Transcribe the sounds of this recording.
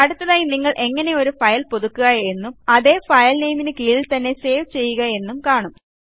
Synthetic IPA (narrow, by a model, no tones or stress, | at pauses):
ɐɽut̪ːɐðaːjiniŋːɐɭʔe̞ŋːɐne̞o̞ɾufɐjɐlpo̞ðukːuɣɐe̞nːumɐðe̞ːfɐjɐlnejminɨkijilt̪ɐnːe̞se̞ːʋt͡ɕe̞jːuɣɐe̞nːumkaːɳum